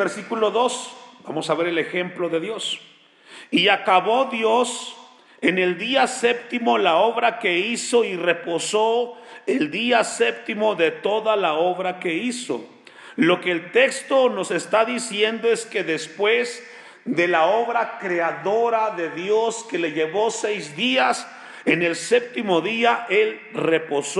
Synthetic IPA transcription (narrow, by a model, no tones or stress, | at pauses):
beɾsikulo̞ðo̞sbamo̞saβe̞ɾele̞xe̞mplo̞ðe̞ðjo̞s | iakaβo̞ðjo̞s | e̞ne̞ld̪iasep̚t̪imo̞laoβɾake̞iso̞ire̞po̞so̞eld̪iasep̚t̪imo̞ðe̞t̪o̞ðalao̞βɾake̞iso̞̰ | lo̞ke̞ːlt̪e̞kst̪o̞no̞se̞st̪aðisje̞nd̪o̞eske̞ðe̞spwe̞z | ðe̞laoβɾakɾeaðo̞ɾaðe̞ðjo̞ske̞le̞ʝe̞βo̞sejzd̪ias | ene̞lse̞p̚t̪imo̞ðiaʔelre̞po̞so